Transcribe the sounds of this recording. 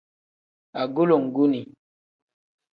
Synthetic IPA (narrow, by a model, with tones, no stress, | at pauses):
a˨ɡu˦lo˨ŋ˨ɡu˦ni˨